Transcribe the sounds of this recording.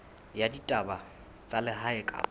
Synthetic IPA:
jaditʼaba | t͡sʼalɪɦaɪkʼa̰

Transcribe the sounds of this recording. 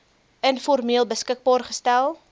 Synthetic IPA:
ənfɔrmiəlˠbəskək̚bɑːrχə̥stælˠ

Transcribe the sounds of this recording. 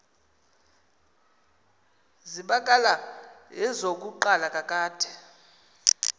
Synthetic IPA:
ziɓakʼalaɦɛzok̬ʼuǃalakʼakʼaːd̥ʰɛ

